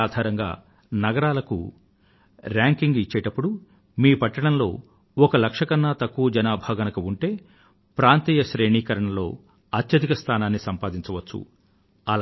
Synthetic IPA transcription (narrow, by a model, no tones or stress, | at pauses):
aːd̪ʱaːɾɐŋɡa̰ː | nɐɡɐɾaːlɐkṵ | ɾaːŋkiŋɡit͡ʃːeːʈɐpːuɽu | miːpɐʈːɐɳɐmlo̞ː | ɔkɐlɐkʂɐkɐnːaːt̪ɐkːuʋɐd͡ʒɐnaːbʱaːɡɐnɐkɐuɳʈeː | pɾaːnt̪iːjɐʃɾe̞ːɳiːkɐɾɐɳɐlo̞̰ː | ɐt̪jɐd̪ikɐst̪ʰaːnaːnːisɐmpaːd̪iɲt͡ʃɐʋɐt͡ʃːṵ | ɐl